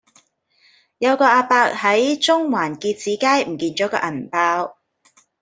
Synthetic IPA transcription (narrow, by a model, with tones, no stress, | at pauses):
jɐ˨˧wkɔː˧aː˧paː˧k̚hɐ˨˥jt͡sʊ˥ŋwaː˨˩nkiː˧t̚t͡siː˨˥kaː˥jm̩˨˩kiː˧nt͡ʃɔː˨˥kɔ̰ː˧ʔɐ˨˩npaː˧w